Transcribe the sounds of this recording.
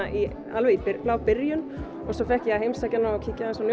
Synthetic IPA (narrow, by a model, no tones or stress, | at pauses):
ʔi | alvɛipɪplawpɪɾjʏn | ɔsɔfɛhcjɛaɦejmsacɪnːaɔcʰɪcːaðɛnsɔnj